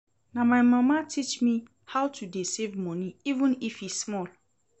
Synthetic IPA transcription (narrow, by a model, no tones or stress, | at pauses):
nãmaɪmãmatʰit͡ʃmĩ | hawtʰudesevmɔ̃nĩivə̃nifismɔl